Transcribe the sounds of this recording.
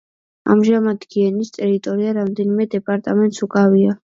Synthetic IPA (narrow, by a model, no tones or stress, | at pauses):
a̰mʒamad̪ɡiɛnist̪ʼɛɾit̪ʼɔɾiaɾamd̪ɛnimɛd̪ɛpʼaɾt̪ʼamɛnt̪ʼsukʼavia